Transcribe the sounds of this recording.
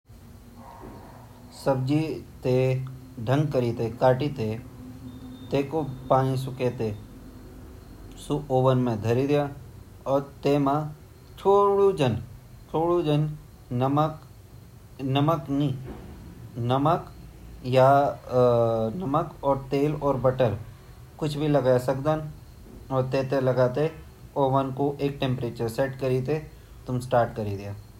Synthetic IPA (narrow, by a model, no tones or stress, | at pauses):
səb̚d͡ʒit̪e | ɖʱə̃ŋɡkəɾit̪ekaːʈit̪e | t̪eːkopãːnĩs̬ʊket̪e | suoːʋənmẽd̪ʱɐɾid̪ija | ɔːɾt̪eːmã | t͡ʃʰoːɽud͡ʒən | t͡ʃʰoːɽud͡ʒən | m | nɐməknĩ | nɐməkja | nɐməkɔːɾt̪eːlɔːɾbɐʈəɾ | kʊt͡ʃʰbʱilɐɡaasɐkd̪aːn | ɔːɾt̪eːt̪elɐɡaːt̪e | oːʋənkoʔeːk̚ʈẽmpɾeːt͡ʃəɾsɛːʈkɐɾit̪̬e | t̪ʊmsʈaːɾʈkɐɾid̪ɪjaː